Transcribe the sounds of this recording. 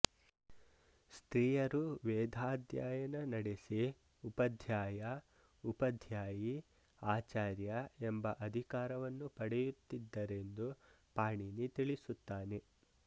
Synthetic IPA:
st̪ɾiːjɐɾuʋɛːd̪ʱaːd̪jaːjɐnɐnɐɽesi | upɐd̪ʱjaːjɐ | upɐd̪ʱjaːji | aːt͡ʃaːɾjɐembɐʔɐd̪ʱikaːɾɐʋɐnːupɐɽɛjut̪ːid̪ːɐɾe̞nd̪u | paːɳinit̪iɭisut̪ːaːne

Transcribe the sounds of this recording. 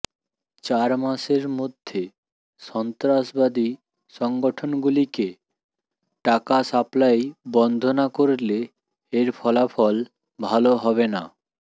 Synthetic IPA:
t͡ɕaɾmaʃeɾmod̪ʱːe | ʃɔnt̪ɾaʃbad̪i | ʃɔŋɡoʈʰonɡulike | ʈakasaplajbɔnd̪ʱonakoɾle | eɾfʰɔlafɔl | bʱaloɦɔβena̰

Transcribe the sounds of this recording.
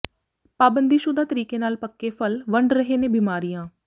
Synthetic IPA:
paːbə̃nd̪iːʃʊd̪aːt̪əɾiːkenaːlpəkːefʰəlʋə̃ɳɖɾəɦeːnẽːbiːmaːɾijãː

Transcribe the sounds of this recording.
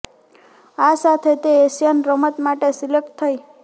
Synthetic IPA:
asat̪ʰet̪eesjənɾəmət̪maʈesilek̚ʈt̪ʰəj

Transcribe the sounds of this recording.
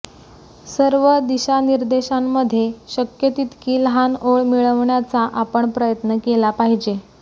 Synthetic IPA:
səɾʋəd̪iɕaniɾd̪eɕamːəd̪ʱːjeɕəkjət̪it̪kiːlɦanoɭmiɭəʋɳjat͡saʔapəɳpɾəjət̪nəkelapaɦid͡ʑe

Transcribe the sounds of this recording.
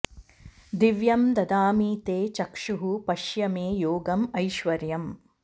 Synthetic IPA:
d̪iʋjɐmd̪ɐd̪aːmiːt̪eːt͡ʃɐkʂuɦupɐʃjɐmeːjoːɡɐmɐjʃʋɐɾjɐm

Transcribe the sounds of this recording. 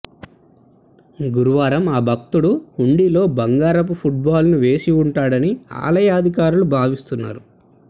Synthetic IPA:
ɡuɾuʋaːɾɐmaːbʱɐk̚t̪uɽuhuɳɖilo̞ːbɐŋɡaːɾɐp̬upʰuʈ̚baːlnuʋe̞ːsiuɳʈaːɽɐnia̰ːlɐjaːd̪ʱik̬aːɾulubʱaːʋist̪unːa̰ːɾu

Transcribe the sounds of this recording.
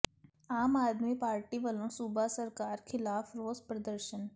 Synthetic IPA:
aːmaːd̪mipaːɾʈiʋɐlõsubasəɾkaːɾkʰɪlaːfɾoːzpɾəd̪əɾʃən

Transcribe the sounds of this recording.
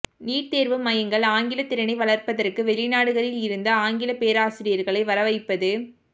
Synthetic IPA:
niːʈt̪eːɾʋɯmɐjɐŋɡɐɭaːŋɡɪlɐt̪ːɪɾɐnɐɪʋɐɭɐrpɐðɐrkɯʋɛɭɪnaːɽɯɣɐɾɪlɪɾɯnd̪ɐaːŋɡɪlɐpeːɾaːsɪɾɪjɐɾɣɐɭɐɪʋɐɾɐʋɐɪpːɐðɯ

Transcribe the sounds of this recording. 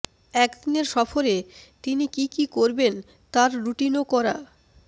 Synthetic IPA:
ɛkd̪ineɾʃɔfoɾet̪inikikikoɾben | t̪aɾːuʈinokɔɾa

